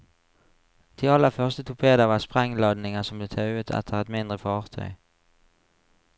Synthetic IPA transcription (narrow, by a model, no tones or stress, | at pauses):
t̪ʰɪɑləfœʁst̪ət̪ʰʊpʰeːd̪əʁʋɑːspʁɛŋlɑd̪nɪŋəsɔmbleːt̪ʰɑʉət̪ʰɛ̰t̪ʰəʁɛt̪mɪnd̪ʁəfɑːʁt̪ʰœ̰ʏ